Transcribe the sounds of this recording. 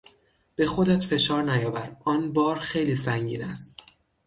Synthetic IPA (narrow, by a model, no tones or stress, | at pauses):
b̥e̞xod̪æt̪fe̞ʃɒːɾnæjɒːvæɾɒːnbɒːɾxe̞jliːs̬æŋɟḭːnæst̪